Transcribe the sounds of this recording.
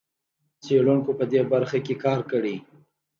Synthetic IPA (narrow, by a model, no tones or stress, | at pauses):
t͡seɽuŋkopəd̪ebaɾxakekɑɾkəɽi